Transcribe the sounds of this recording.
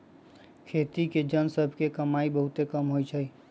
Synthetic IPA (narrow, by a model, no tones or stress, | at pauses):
kʰeːt̪iked͡ʒənsəbʱkekəmaibəɦʊt̪ekəmɦoit͡ʃʰəi